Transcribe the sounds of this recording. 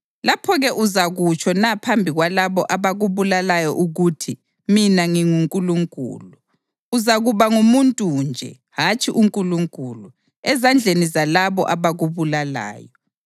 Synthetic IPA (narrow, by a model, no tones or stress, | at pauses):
lapʰɔɣɛʔuzaɣut͡ʃʰɔnapʰambʱiɣwalaβɔʔaβaɣuβulalajɔʔuɣutʰi | minaŋiŋuŋkʼuluŋkʼṵːluː | zaɣuβaŋumuntʼuːnd͡ʒʱɛ̰ | hat͡ʃʼiʔuŋkʼuluŋkʼuːlu | ɛzand͡ɮʱenizalaβɔʔaβaɣuβulala̰ːjɔ